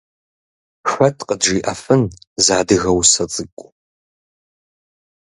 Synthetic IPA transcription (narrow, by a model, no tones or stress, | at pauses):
ɕʷɔtʰqədʒiːʔɐfɨnzaːdɨɣɐwsɐt͡sʼɨkʷʼʊ